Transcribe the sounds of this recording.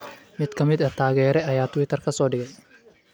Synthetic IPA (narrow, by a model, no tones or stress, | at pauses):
mɪd̪̥kʰɐmɪd̪ɐt̪ʰaːɣɛːɾɛʔɐjaːt̪ʰʊwɪt̪ʰɐrkʰɐsɔːɖɪɣɛj